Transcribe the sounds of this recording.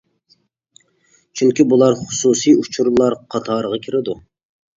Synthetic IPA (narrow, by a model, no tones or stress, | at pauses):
t͡ʃʰyŋkʲibulˠɑɾχʊ̥susijut͡ʃʰuɾlˠɑɾqʰɑt̪ʰɑːɾəʁɑkʲʰiɾɪd̪u